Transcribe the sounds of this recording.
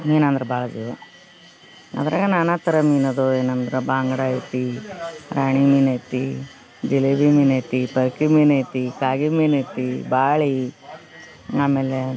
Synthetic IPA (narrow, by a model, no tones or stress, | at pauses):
miːnɐnd̪ɐɾɐbaːɭɐd͡ʒiʋɐ | ɐ̰d̪ɾa̰ːɡɐnaːnaːt̪ɐɾɐmiːnɐd̪ueːnɐnd̪ɾebaːŋɡɐɽait̪iɾaːɳimiːnɐjt̪i | d͡ʒileʋimiːnɐjt̪ipɐɾkimiːnɐjt̪ikaːɡimiːnɐjt̪ibaːɭi | aːmeːle